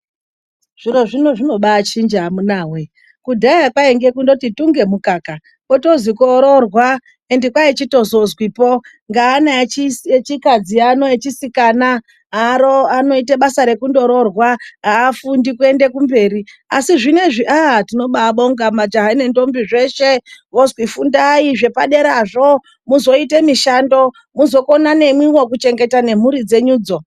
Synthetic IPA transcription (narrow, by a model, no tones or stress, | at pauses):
ʐ̥iɾo̞ʐino̞ʐino̞ɓaːt͡ʃind͡ʒamunaːwe̞ | kudʱajakwaeŋɡe̞kundo̞tituŋɡe̞mukaːka | koto̞zikoɾorwa | endikwait͡ʃito̞zozwipo | ŋɡaːnaet͡ʃikad͡ziano̞et͡ʃisikana | aɾoano̞iteɓasaɾe̞kundo̞ɾo̞rwaaːfundikue̞nde̞kumbe̞ːɾia̰siʐine̞ʐiʔatino̞ɓaɓoŋɡamad͡ʒaɦaine̞ndo̞mbiʐe̞ʃe̞ʋo̞zwifundaiʐe̞pa̰ɗe̞ɾaʐo | muzo̞itemiʃando̞ | muzo̞ko̞nane̞mwiwo̞kut͡ʃe̞ŋɡe̞tane̞m̤uɾid͡ze̞ɲuːd͡zo̞